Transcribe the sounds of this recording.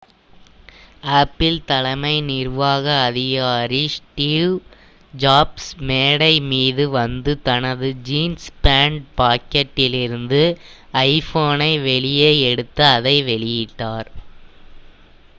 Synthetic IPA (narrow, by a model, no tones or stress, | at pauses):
aːpːɪlt̪ɐlɐmɐɪnɪrʋaːɣɐːðɪɣaːɾisʈiʋ | d͡ʒaːbsmeːɽɐɪmiːðɯʋɐnd̪ɯt̪ɐnɐðɯd͡ʒiːnspaːɳɖ̚paːkɐʈːɪlɪɾɯnd̪ɯ | ɐɪfoːnɐɪʋɛɭɪjeːɛɽɯt̪ːɐːðɐɪʋɛɭɪjɪʈːaːɾ